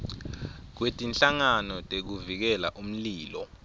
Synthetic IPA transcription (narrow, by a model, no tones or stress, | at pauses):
k̬wetʼinɬaŋanɔtʼek̬uvik̬ɛlaʔum̩liːlɔ